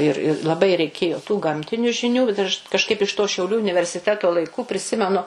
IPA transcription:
ɪr ɪ lˠɐˈbɐɪ rʲɛɪˈkʲeːjoː tuː ˈɡɐmʲtʲɪnʲʊ ʒʲɪˈnʲuː bʲɛt ɐʃ kɐʃˈkɐɪp ɪʃ toː ʃʲɛʊˈlʲuː ʊnʲɪʋʲɛrʲsʲɪˈtʲæːtoː lˠɐɪˈkʊ pʲrʲɪˈsʲɪmʲɛnʊ

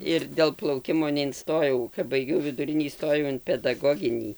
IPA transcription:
ɪr dʲeːlˠ plˠɐʊˈkʲɪmoː nʲɛɪnˈstoːjɛʊ kɐp bɐɪˈɡʲɛʊ ʋʲɪdʊˈrʲɪnʲiː iːˈstoːjɛʊ ɪn pʲɛdɐˈɡoːɡʲɪnʲiː

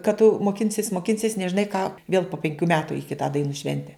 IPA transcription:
kɐt tʊ moːˈkʲɪnʲsʲɪs moːˈkʲɪnʲsʲɪs nʲɛʒʲɪˈnɐɪ kɑː ʋʲeːlˠ poː pʲɛŋʲˈkʲuː ˈmʲæːtʊ ɪ ˈkʲɪtɑː dɐɪˈnuː ˈʃʲʋʲɛnʲtʲɛ

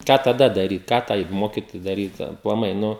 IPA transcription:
ˈkɑː tɐˈdɐ dɐˈrʲiːt ˈkɑː tɐɪ ˈmoːkʲɪtoːjɛɪ dɐˈrʲiːt ɐplˠɐˈmɐɪ ˈnʊ

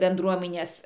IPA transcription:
bʲɛnˈdruɔmʲɪnʲeːs

